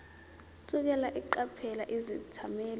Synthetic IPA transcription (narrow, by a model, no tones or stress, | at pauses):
sʼuk̬ʼɛlaʔiǃapʰɛlaʔizitʰamɛːl